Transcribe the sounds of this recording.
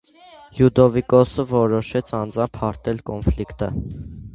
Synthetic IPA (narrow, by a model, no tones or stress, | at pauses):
jud̪ɔvikɔsəvɔɾɔʃɛt͡sʰɑnd͡zɑmpʰhɑɾt̪ʰɛlkɔnflikt̪ə